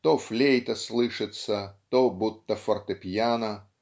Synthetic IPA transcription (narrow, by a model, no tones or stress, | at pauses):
t̪oflʲejt̪əslˠɨʂɨt̪sət̪obut̪ːəfərt̪ɨpʲjanə